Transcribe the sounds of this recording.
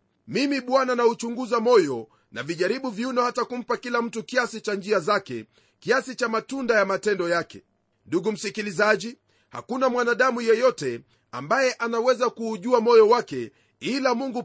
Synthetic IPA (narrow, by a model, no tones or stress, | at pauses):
mimiɓwananaut͡ʃuŋɡuzamɔjɔ | na̰viʄaɾiɓuviunɔhatakum̩pakilam̩tukiasit͡ʃand͡ʒiazakɛ̰ | kiasit͡ʃamatundajamatɛndɔjakɛ̰ | nduɡum̩sikilizaʄi | ha̰kunamwanaɗamujɛjɔtɛ | a̰mbajɛʔanawɛzakuːʄuamɔjɔwakɛ | ilamuŋɡu